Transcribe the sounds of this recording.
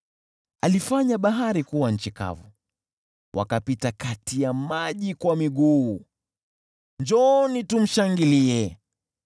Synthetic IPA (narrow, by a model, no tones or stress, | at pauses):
alifaɲaɓaɦaɾikuwaɲ̩t͡ʃika̰vṵ | wʔa̰kapitakatijamaʄikwamiɡuː | nd͡ʒɔnitum̩ʃaŋɡiliɛ